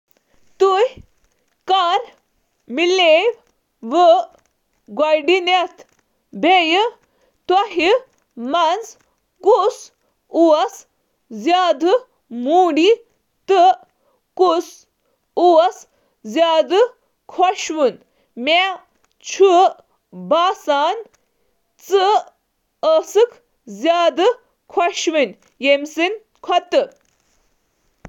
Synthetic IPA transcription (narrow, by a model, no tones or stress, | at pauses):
t̪uj | kaɾ | mileʋ | ʋə | ɡajɖinat̪ʰ | bʱejə | t̪aɦi | mand͡z | kus | uas | d͡zjad̪ɨ | muɽi | t̪ə | kus | uɐs | zjaːd̪ɨ | kʰɔʃʋɨn | ma | t͡ʃʰu | baːsaːn | t͡sɨ | əsɨkʰ | zjaːd̪ɨ | kʰɔʃʋin | jemsin | kʰɔt̪ɨ